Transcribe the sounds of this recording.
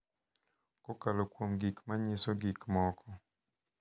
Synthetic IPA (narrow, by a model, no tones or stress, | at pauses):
kɔkalokwomɡikmaɲisoɡikmɔkɔ